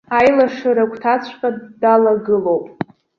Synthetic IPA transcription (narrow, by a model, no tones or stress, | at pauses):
ajlaʂɨɾakʷʰtʰat͡sʷʰʼqʼadalaɡɨlowpʼ